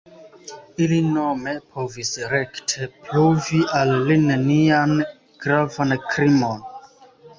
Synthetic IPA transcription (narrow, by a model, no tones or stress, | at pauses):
ilinome̞pʰo̞visɾektʰepɾuviʔalːinenian | ɡ̥ɾavankɾimo̞n